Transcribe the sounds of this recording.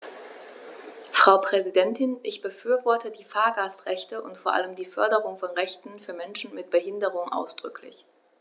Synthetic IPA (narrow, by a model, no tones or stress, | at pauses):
fʁ̥aʊpʁ̥ɛzidɛntʰɪnʔɪçb̥əfyːɐvɔɐtədiːfaːɐɡaːstʁɛçtəʔʊntfoɐʔa̰ləmdiːfœɐdəʁ̞ʊŋfɔnʁɛçtn̩fyːɐmɛnʃn̩mɪt̚b̥əɦɪndəʁ̞ʊŋʔa̰ʊsd̥ʁʏkʰlɪ̰ç